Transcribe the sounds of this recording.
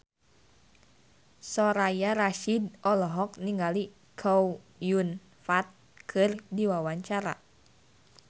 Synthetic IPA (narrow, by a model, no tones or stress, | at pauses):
sɔɾajaɾaʃidʔɔlɔɦɔk̚niŋɡali | kʰɔw | jun | fat̪̚ | kʰɨrdiwawaɲt͡ʃaɾa̰